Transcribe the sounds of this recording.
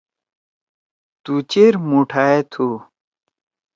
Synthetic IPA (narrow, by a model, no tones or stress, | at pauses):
t̪ut͡ɕeɾmuʈʰaːet̪ʰu